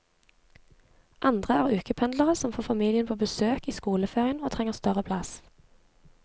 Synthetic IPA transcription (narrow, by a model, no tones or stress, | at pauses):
ʔɑnd̪ʁəæːʁʉːkəpʰɛnd̪ləʁəsɔmfoːfɑmiːlɪənpʰoːbəsøːkiːskuːləfeːʁɪənoːt̪ʰʁɛŋəʁst̪œʁəpʰlɑs